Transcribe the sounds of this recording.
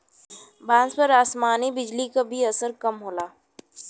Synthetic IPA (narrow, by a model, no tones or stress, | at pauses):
bãːnspɐɾaːsmaːnibɪd͡ʒlikabʱiɐsəɾkɐmɦoːlaː